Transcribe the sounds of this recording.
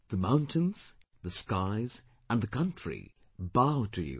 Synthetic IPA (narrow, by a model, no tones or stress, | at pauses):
ðəmãʊ̃ntʰɨ̃nz̥ | ðɨskaɪz | ə̃nðɨkʰʌ̃nt͡ʃɹ̥ḭ | baʊɾʰɨjʉ̰